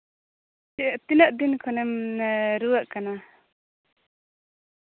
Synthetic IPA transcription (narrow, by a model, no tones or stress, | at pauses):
ʔt̪inəʔd̪inkʰɔnɛmɾuwaʔkana